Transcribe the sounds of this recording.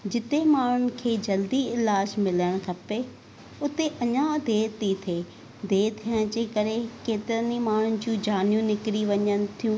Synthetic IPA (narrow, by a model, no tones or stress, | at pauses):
d͡ʑɪt̪emaːɳ̤ʊnɪ̆kʰeːd͡ʑɐld̪iɪlaːd͡ʑmɪləɽ̃kʰɐpe | ʊt̪eʔɐɲãd̪ʱeːt̪it̪ʰeː | d̪ʱeːt̪ʰijəɽ̃d͡ʑeːkɐɾekeːt̪ɪɾənimaːɳ̤ʊnɪ̆d͡ʑũːd͡ʑaːnijũnɪkɪɾiʋɐɲəñɪ̆t̪ʰijũː